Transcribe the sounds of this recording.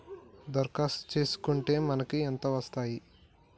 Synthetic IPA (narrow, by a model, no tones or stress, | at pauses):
d̪ɐɾkaːst̪t͡ʃe̞ːsu̥kuɳʈe̞ːmɐnɐkiɛnt̪ɐʋɐst̪aːji